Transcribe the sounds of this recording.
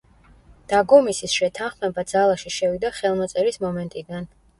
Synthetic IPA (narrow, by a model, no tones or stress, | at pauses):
d̪̥aɡɔmisisʃɛt̪ʰanχmɛbad̪z̥alˠaʃiʃɛvid̪aχɛlˠmɔt̪sʼɛɾismɔmɛnt̪ʼid̪an